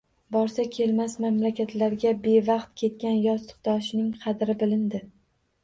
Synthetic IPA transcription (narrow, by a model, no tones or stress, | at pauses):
bɒɾsakʲʰe̞lmasmamlakʲat̪laɾɡʲabe̞vɑqt̪̚kʲʰe̞t̪̚kʲanjɒst̪ʰɨ̥qd̪̥ɒʃnɪŋqʰɑd̪ɾɪbɪlɪnd̪ɪ